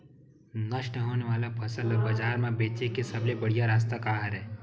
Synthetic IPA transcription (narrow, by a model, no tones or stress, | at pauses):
nəʃnəɦoːneʋaːlapʰɐsələbəd͡ʒaːɾmẽbeːt͡ʃekesəblebəɽ̤ijaɾaːs̬t̪akaːɦəɾɦɛː